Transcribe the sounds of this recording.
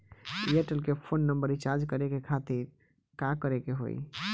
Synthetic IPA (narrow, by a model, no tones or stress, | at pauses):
ieʈəlkepʰonːəmbəɾit͡ʃaɾd͡ʒkəɾekekʰat̪iɾ | kakəɾekeɦo̰j